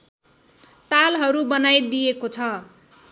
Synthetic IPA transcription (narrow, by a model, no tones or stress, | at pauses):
t̪alɦʌɾubʌnajd̪ijekot͡sʰʌ